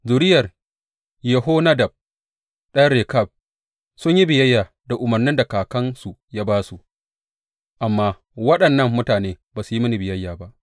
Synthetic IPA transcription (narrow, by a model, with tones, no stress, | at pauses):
zu˨ɾɪ˦jɐ˨r | jɛ˨ɦo˦na˦dɐ˨b̚ | ɗɐ˦ɾe˨kɐ˦˨b̚ | sʊ˦ɲji˦bɪ˨jɐ˦jːaː˨ | da˨ʔʊ˨mɐ˨rnɪ˦nda˨kaː˨kɐ˦nsu˨jaː˦baː˦su˨ | ʔa˨mːaː˦ | wɐ˦ɗɐ˨nːɐ˦mːʊ˦taː˨neː˦baː˨su˨ji˦mɐ˦ni˨bɪ˨jɐ˦jːaː˨ba˦ʔ